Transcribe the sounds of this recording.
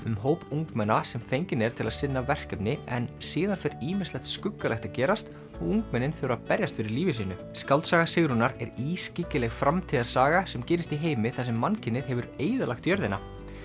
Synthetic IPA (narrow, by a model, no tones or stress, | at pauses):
ʏmɦoːwpuŋkmɛnːasɛmfejɲcɪnɛɾ̥t̪ʰɪlaðsɪnːavɛr̥kɛpnɪɛnsiːðanfɛɾiːmɪr̥stlɛxt̪skʏkːalɛxt̪acɛːɾast̪ | ɔɣuŋkmɛnːɪnθowɾaðpɛɾjast̪fɪɾɪɾliːvɪsiːnʏskawlt̪saːɣasɪɣɾunaɾɛɾiːscɪcɪlɛɣfɾʔamt̪ʰiːðaɾ̥saːɣasɛmcɛːɾɪst̪iɦeːjmɪθas̬ɛmːancʰɪnːɪð̥ɦɛvʏɾeːjðalaxt̪jœɾðɪna